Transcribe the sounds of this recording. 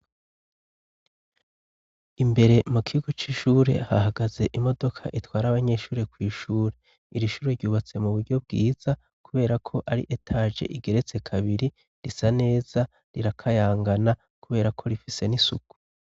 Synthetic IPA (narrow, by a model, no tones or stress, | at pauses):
imbe̞ɾe̞mukʰiɡo̞t͡ʃiʃuːɾe̞̰haɦaɡaze̞ʔimo̞do̞kʰa̰ʔitwaːɾaβaɲe̞ʃuːɾe̞kwiːʃuːɾe̞ | iɾiʃuːɾeɾɟuːβat͡se̞muβuɾɟo̞bɡiːz̥a | kuβe̞ːɾakʰo̞ʔaɾḭʔetʰaːʒe̞̰ʔiɡe̞ɾe̞t͡se̞kʰaβiɾi | ɾisane̞ːz̥a | ɾiɾakʰajaːŋɡana | kuβe̞ːɾakʰo̞ɾifise̞nisuku̥